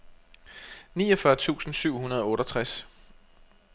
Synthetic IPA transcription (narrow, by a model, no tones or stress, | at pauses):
niːɒfɶɐt͡sʰṵːsn̩syʊ̰hunɐð̞ˠɒ̽ɔ̽ːɾɒt͡sʰʁas